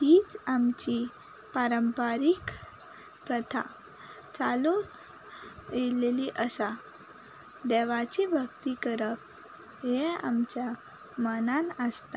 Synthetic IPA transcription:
ɦiːt͡samt͡ɕi | paɾəmpaɾik | pɾət̪ʰa̰ | t͡saluːn | eleliʔəsa | d̪eʋat͡ɕibʱəkt̪ikəɾəp̚ | ɦea̰mt͡ɕja | mənanəst̪a

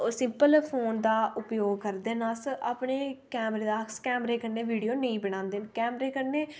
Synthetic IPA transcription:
sɪmpəlpʰoːnd̪aːʔʊpjoːɡ̚kəɾd̪eːnaːsʔaːpɳeːkɛːmɾeːd̪aːskɛːmɾeːkəɾneːʋiːɖijoːnəĩːbəɽ̃ãːnd̪eːnkɛːmɾeːkəɾneː

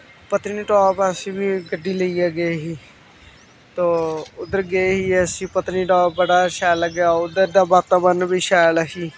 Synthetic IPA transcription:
pət̪niːʈɔːpəsĩːbiːɡəɖːiːləiːɛːɡeɦiː | t̪oːʊd̪əɾɡeɦiːəsĩːpət̪niːʈɔːp̚bəɽaːʃɛːləɡaːʊd̪əɾd̪aːbaːt̪aːbənbiːʃɛːlasiː

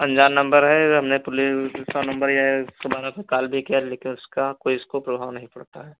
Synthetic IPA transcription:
ɐ̃ɲd͡ʒaːnːɐ̃mbəɾɦɛɦɐmnepʊlɪsanɐ̃mbəɾjaskɐbaːnãpekaːlbʱikijaleːkɪnʊskakoːiʊskopɾɐbʱaːʋnɐɦĩpɐɽt̪aɦɛː

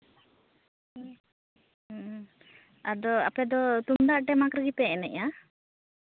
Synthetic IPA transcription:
ad̪ɔa̰pɛd̪ɔt̪und̪aʔʈɛmakɾəɡipɛnɛʔa

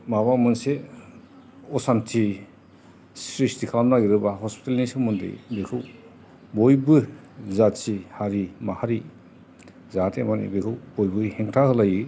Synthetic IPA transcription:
maβamɯnse | ɔsantʰi | sɾisdikʰamnaɡiɾɯbaɦɔspi̥talnisɯmɯndḛbekʰɯw | bɔjbɯ | zatsihaɾimahaɾi | zatʰemanḭbekʰɯwbɔjbɯhɛŋtʰahɯlajɯ

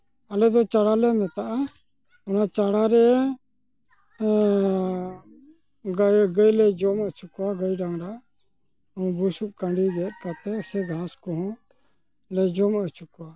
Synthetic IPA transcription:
alɛd̪ɔt͡ʃaɽalɛmɛt̪aʔa | ɔnat͡ʃaɽaɾɛ | ɡɡəjlɛd͡ʒɔmət͡ʃukuwaɡəjɖaŋɾa | uw̃busuʔ̚kaɳɖiɡɛt̪̚ˀkat̪ɛsɛɡʱãskɔɦɔ̃ | lɛd͡ʒɔmət͡ʃukuwa

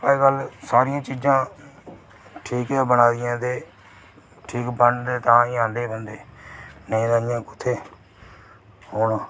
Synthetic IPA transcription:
əikəlsaːɾɪjãːt͡ʃiːd͡ʒãː | ʈʰiːkaːbənaːd̪ɪjãːd̪eː | ʈʰiːkbəɳɖd̪eːt̪ãːiãːnd̪eːbənd̪eːnə̃ĩːd̪ãːjãːkʊt̪ʰːeː | hoːnãː

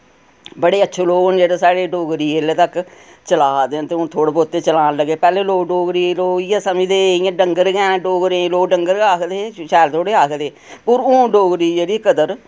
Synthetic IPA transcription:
bəɽeːətːʃʰeːloːɡnd͡ʒeːɽaːsaːɽeːɖoːɡɾiːelet̪ək | t͡ʃəlaːd̪eːnt̪eːʊnt̪ʰoːɽeːpoːt̪eːt͡ʃəlaːnləɡːeːpɛːleːloːkɖoːɡɾiːloːɪjãːsəmĩːd̪eːɪjãːɖəŋɡəɾɡɛːnːɖoːɡɾẽːloːɖəŋɡəɾaːkʰd̪eːʃɛːlt̪ʰoːɽeːaːkʰd̪eː | pʊɾõːɖoːɡɾiːd͡ʒeːɽiːkəd̪əɾ

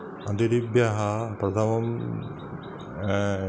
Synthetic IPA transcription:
ɐ̃d̪iɾibjɐɦɐpɾɐt̪ʰɐmɐm

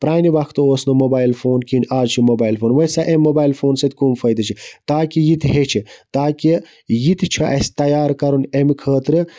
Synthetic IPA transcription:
pɾaːniʋɐkʰt̪ooːsnomobaːjlfʰoːnkinʲʔaːd͡ʒt͡ʃʰimobaːjlfʰoːnʋɐsaʔemʲːobaːjlfʰoːnsɐt̪ʲkumfʰɐjd̪ɐt͡ʃʰit̪aːkijit̪ʰɦet͡ʃʰit̪aːki | jit̪ʰt͡ʃʰɐʔɐst̪ɐjaːɾkɐɾunemkʰəːt̪ɾɨ

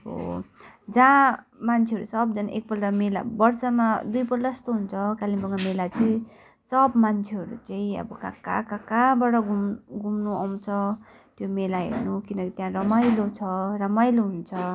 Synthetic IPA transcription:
ɦo̰ | d͡zã | mant͡sʰeɦʌɾusʌbd͡zʌnʔḛk̚pʌldamela̰bʌrsamad̪ujpʌrʈʌst̪oɦunt͡sʰʌkalimbʌŋɡamelat͡sʌĩ | sʌbmant͡sʰeɦʌɾṵt͡sʌĩʌ̰bʌka̰ka̰kakabaɽʌɡumɡumnuʌw̃t͡sʰʌ | t̪jomelaɦḛrnukinʌkit̪jãrʌmajlot͡sʰʌrʌmajloɦunt͡sʰʌ

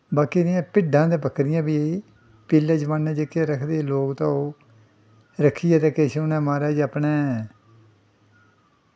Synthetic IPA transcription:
baːkiːnɪjãːpɪɖãːd̪ẽːpəkɾɪjãːbiːeiː | piːlɛːd͡ʒəʋaːnːɛ̃ːd͡ʒekːjaːɾəkʰd̪eːloːkt̪ãːoː | ɾəkʰːijaːt̪ẽːkeːʃeʊnɛ̃ːmaːɾɛːd͡ʒəpneː

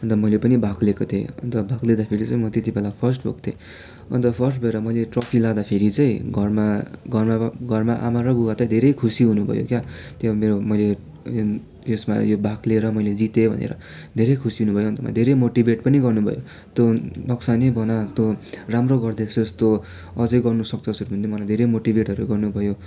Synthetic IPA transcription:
ʌnt̪ʌmʌjlepʌnibʱaklekot̪ʰḛʌ̰nt̪ʌbʱakled̪apʰeɾit͡sʌĩmʌt̪et̪ibelapʰʌrsʈbʱo̰kt̪ʰḛ | ʌ̰nt̪ʌpʰʌrsʈbʱʌeɾʌmʌjleʈrʌpʰilad̪apʰeɾit͡sʌj̃ɡʱʌrmaɡʱʌrmaɡʱʌrmaʔa̰maɾʌɡuɡat̪ʌd̪ʱeɾʌjkʰusiɦunubʱʌ̰jo̰kjat̪jeameɾomʌjle | j | jesma̰jobʱakleɾʌmʌjled͡zit̪ebʱʌ̰nḛɾʌ̰ | d̪ʱeɾʌjkʰusiɦunubʌjoʌnt̪ʌma̰d̪ʱeɾʌmoʈibʱeʈpʌniɡʌrnubʱʌ̰jo | t̪jonʌksanebʱʌnat̪joramroɡʌrd̪esʌst̪o | ʌd͡zʌjɡʌrnusʌk̚t͡sʌsuɾubʱunt̪ʰimʌlajd̪ʱeɾʌjmoʈibʱeʈɦʌɾuɡʌrnubʱʌjo

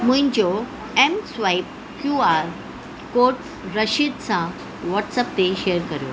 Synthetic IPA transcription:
mũɲd͡ʑo | emsʋaip̚ | kjuaɾ | koɾʈ | ɾəɕid̪̚t͡sã | ʋɔʈsəp̚t̪eɕejəɾkəɾjo̰

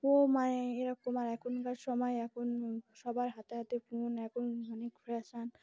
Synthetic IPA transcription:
omajeɾakomaɾɛkʰunkad͡ʒʃɔmajɛkʰunʃɔbaɾɦat̪eɦat̪epunɛkʰunbʱɔnikpʰɾɛsan

